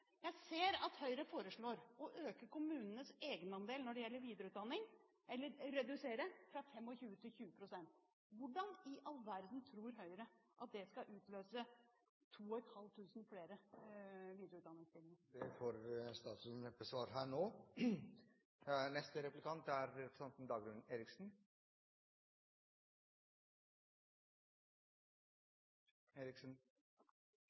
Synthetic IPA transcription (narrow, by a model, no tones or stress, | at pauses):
jæɪseːɾɑt̪hœʏɾəfoːɾəʂɭoːɾɔʔøːkəkʰʊmʉːnənəseːɡənɑnd̪eːlnɔɖɛjɛlːəɾʋiːd̪əɾəʉːt̪d̪ɑnːɪŋ | ɛlːəɾːɛd̪ʉseːɾəfɾɑfɛmːɔçʉːət̪ʰɪlçʉːəpʰɾʊsɛnt̪ | ʋʊɖɑnɪʔɑlːʋæɾd̪n̩t̪ʰɾuːɾɦœʏɾəʔɑt̪̚d̪ɛskɑʔʉːt̪løːsə | t̪ʰuːɔɛt̪hɑlt̪ʰʉːsnfleːɾə | ʋiːd̪jʊʉːt̪d̪ɑnːɪŋst̪ɪɡ̪nəɾd̪ɛfoːɾst̪ɑːt̪əsnɛbəsʋɑːɾɦæːɳoː | nɛst̪əɾɛplɪkʰɑnt̪æɾɾɛpɾəsɛnt̪n̩d̪ɑːɡɾʉnːeːɾɪksn | eːɾɪksn̩